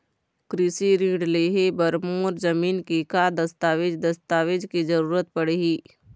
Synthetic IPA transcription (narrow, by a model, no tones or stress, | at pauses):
kɾɪsiɾĩːɖleːɦebəɾmoːɾzɐmiːnkikad̪ɐst̪aːʋed͡ʒd̪ɐst̪aːʋed͡ʒkid͡ʒəɾuːɾət̪̚pəɽeɦiː